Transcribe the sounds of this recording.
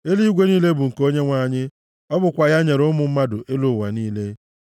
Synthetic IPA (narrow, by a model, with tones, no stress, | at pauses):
e˦li˦ɡʷe˦niː˦le˦bʊ˨ŋ̩˨ko˦ɲe˦ŋʷa˨ɲɪ˦ | ɔ˦bʊ˨kʷa˨ja˦ɲe˨ɾʊ˦mʊ˨m̩˦ma˦dʊ˨ʔe˦lʊ˨wa˨niː˦le˦